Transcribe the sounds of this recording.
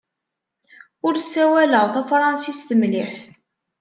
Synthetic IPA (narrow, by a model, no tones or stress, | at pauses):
ʊɾsːæwæləʁθæfɾˤɑnsist̪əmliħ